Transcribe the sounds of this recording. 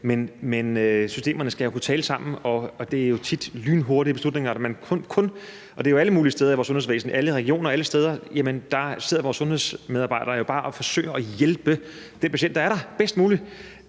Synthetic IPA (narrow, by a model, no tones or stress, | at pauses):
menmenøsysd̥e̝̰ːmɐnəsɡ̥æjo̝kʰut͡sʰɛːləsɑ̈m̰n̩ɒ̽ɒd̥e̝æɐjo̝t͡sʰid̥lyːnɦo̝ɐɾ̥ib̥e̝slud̥ne̝ŋɐdmænkʰɔ̽nkʰɔ̽n | ʔɒ̽deæɐjoæləmuːlisd̥eːð̞ˠɐiʋɒ̰ːsɔ̽nhe̝ʋḛːsn̩ʔæləʁɛɡ̥io̝̰ːnɐæləsd̥eːð̞ˠɐjemənd̥ɑ̈se̝ð̞̰ˠɐʋɒːsːɔ̽nhe̝ð̰ˠsmeðˠɑb̥ɑ̈ɪ̰d̥ɐjo̝b̥ɑ̈ːʔɒ̽fɒ̽sø̰ɪɐʔɒjelb̥ə | d̥enpʰæɕ̬en̰d̥ɑæɐɾ̥ɑ̈b̥esd̥muːli